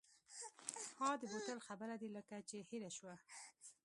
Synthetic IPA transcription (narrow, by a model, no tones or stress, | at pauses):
hɑd̪əbut̪əlxabəɾad̪iləkat͡ʃehilaʃwa